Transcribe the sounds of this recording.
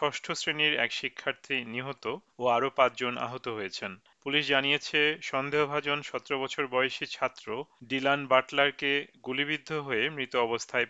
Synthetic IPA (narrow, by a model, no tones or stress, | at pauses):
ʃɔʃʈʰosɾeniɾɛ̰kʃikʰːaɾt̪ʰiniɦot̪ooaɾopãt͡ɕd͡ʑona̰ɦot̪oɦojet͡ɕʰen | puliʃd͡ʑanijet͡ɕʰeʃɔnd̪ʱeɦobʱad͡ʑonʃɔt̪eɾobɔt͡ɕʰoɾbɔjoʃit͡ɕʰat̪ːɾoɖilanbaʈlaɾkeɡuliβid̪ʱːoɦoemɾit̪oɔbost̪ʰae